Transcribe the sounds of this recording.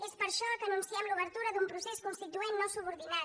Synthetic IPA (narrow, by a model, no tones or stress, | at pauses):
ɛspəɾʃɔkənũnsjɛmluβəɾt̪uɾɐðumpɾusɛskunst̪it̪uɛnːɔsuβuɾðinaɾ